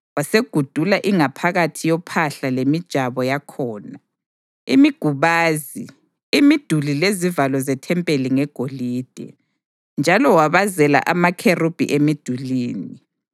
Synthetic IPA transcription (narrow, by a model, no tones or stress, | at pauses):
waseɡ̥ʱud̥ʱulaʔiŋapʰaɣatʰijɔpʰaɬalemid̥ʒ̥ʱaβɔjakʰɔːna | ḭmiɡ̥ʱuβaːzi | imid̥ʱulilezivalɔzɛtʰɛmpʼeliŋɛɡ̥ʱoliːd̥ʱɛ̰ | nd͡ʒʱalɔwaβazɛla̰ʔamakʰerub̥ʱḭʔemid̥ʱuliːni